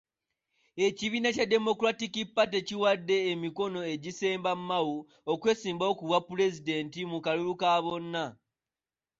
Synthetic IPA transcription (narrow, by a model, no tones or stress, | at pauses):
e̞ciβiːnacadːe̞mo̞kuɾatikipːate̞ciwadːe̞ːmiko̞no̞e̞ɟise̞ːmbamːawu | okwe̞ːsiːmbao̞kuβwapːule̞zide̞ːntimukalulukaβo̞nːa